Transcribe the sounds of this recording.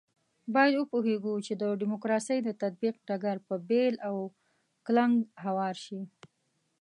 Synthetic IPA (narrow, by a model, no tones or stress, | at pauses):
bɑjad̪wəpoɦeɡut͡ʃed̪əɖɪmokɾɑsəjd̪ət̪ad̪̚biqɖaɡaɾpəbelaw | klaŋɡɦawɑɾʃi